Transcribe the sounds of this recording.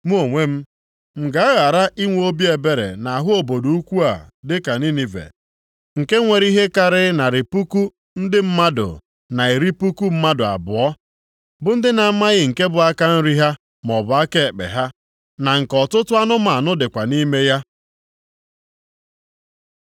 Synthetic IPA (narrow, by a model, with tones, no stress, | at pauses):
mu˦o˨ŋʷe˦m̩˦ | m̩˨ɡa˦a˦ɣa˨ɾa˦ʔi˦ŋʷ˦o˦bi˦e˨be˨ɾḛ˨na˨a˨ɦʊ˦o˨bo˨du˨u˦kʷu˦a̰˨dɪ˦ka˨ni˦ni˨vḛ˨ | ŋ̩˨ke˦ŋʷe˨ɾi˦ɦe˦ka˨ɾɪ˦na˨ɾɪ˨pu˦ku˦ | n̩˦dɪ˦m̩˦ma˦dʊ̰˨ | na˨i˨ɾi˦pu˦ku˦m̩˦ma˦dʊ˨a̰˨bʊ̰˨ɔ˦ | bʊ˨˦n̩˦dɪ˦na˨˦ma˦ɣɪ˨ŋ̩˨ke˦bʊ˨a˦ka˦n̩˦ɾi˦ɦa˦ | m˨ɔ˨bʊ˨a˦ke˦˨k͡pḛ˨ɦa˦ | na˨ŋ̩˨kɔ˨tʊ˦tʊ˦a˦nʊ˦ma˨nʊ˦dɪ˨kʷa˨ni˦me˦ja˦